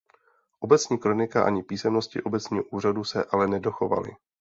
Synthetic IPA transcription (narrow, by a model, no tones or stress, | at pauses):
ʔo̞bɛt͡sɲiːkɾo̞nɪkaʔa̰ɲɪpiːsɛmno̞scɪ̰ʔo̞bɛt͡sɲiːɦoʔuːr̝adusɛʔalɛnɛdo̞xo̞va̰lɪ̰